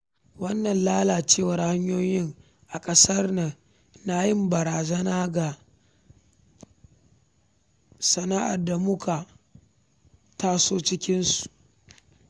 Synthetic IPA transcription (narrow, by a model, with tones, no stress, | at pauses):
wɐ˦nːɐ˨nlaː˦laː˨t͡ʃeː˦˨wɐ˨rha˦ɲjoː˦jɪ˦ŋ | ʔa˨kʼɐ˦sɐ˦rna˨ | na˦jɪ˦mbɐ˨ɾaː˨zɐ˦naː˦ɡa˨ | sɐ˨na˦ʔa̰˨rda˨mʊ˦ka˨ | taː˦soː˦t͡ʃɪ˦kʲɪ˦nsu̥˨ʔ